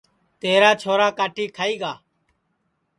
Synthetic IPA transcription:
t̪eːɾaːt͡ʃʰoːɾaːkaːʈʰiːkʰaːiːɡaː

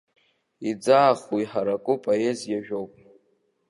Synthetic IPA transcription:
id͡zaːχiħaɾakʼʊpʼojezjaʒᶣowpʼ

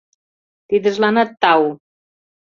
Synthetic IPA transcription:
t̪iðəzlanat̪ːaw

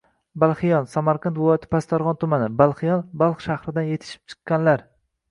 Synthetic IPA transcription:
balˠχɪjɒnsamaɾqʰɑnt̪vɪlˠɒjat̪ʰɪ̥past̪ʰaɾʁɒnt̪ʰʊmanɪbalˠχɪjɒnbalˠχʃahɾɪd̪anje̞t̪ʰɪ̥ʃɪ̥p̚t͡ʃʰɨ̥qːɑnlaɾ

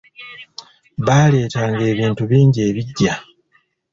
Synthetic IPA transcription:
βaːle̞ːtaːŋɡe̞ːβiːntuβiːɲɟie̞ːβiɟːa

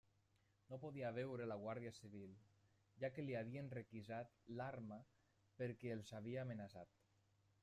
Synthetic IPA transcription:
nopoðiaβɛwɾelaɣ̞waɾðiasiβ̞ilˠ | ʒakeliaβ̞ienrekizat̪laɾma | peɾkɛːlˠzaβ̞iaːmenasat̪

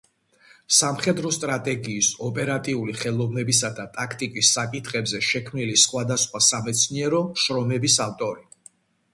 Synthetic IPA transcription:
samχɛd̪ɾɔst̪ʼɾat̪ʼɛɡiːsɔpʼɛɾat̪ʼiuliχɛlˠɔvnɛbisad̪at̪ʼakʰt̪ʼikʼisːakʼit̪ʰχʼɛbzɛʃɛkʰmnilisχwad̪asχwasamɛt̪sʰniɛɾɔʃɾɔmɛbisaft̪ʼɔɾi

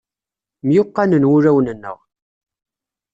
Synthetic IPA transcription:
mjʊqːanənwʊɾæwnənːə̰ʁ

